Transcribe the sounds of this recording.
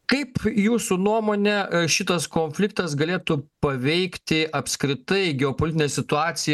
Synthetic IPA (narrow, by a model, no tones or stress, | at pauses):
kɐɪpjuːsunuɔmoːnʲɛʃʲɪt̪ɐskoːnʲfʲlʲɪk̚t̪ɐsɡɐlʲeːt̪uːpɐʋʲɛɪkt̪ʲɪʔɐpskɾʲɪt̪ɐɪɡʲɛoːpolʲɪt̪ʲɪnʲeːsʲɪt̪ʊɑːt̪sʲɪj